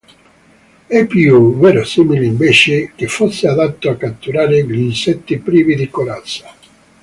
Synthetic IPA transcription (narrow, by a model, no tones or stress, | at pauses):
ɛpːjuvɛːɾosiːmilɪiɱveːt͡ʃɪk̟ɪfːosːɪad̪at̪ːoakːat̪ːuɾaːɾɪʎinsɛt̪ːipɾiːvid̪ikolat̪sːḁ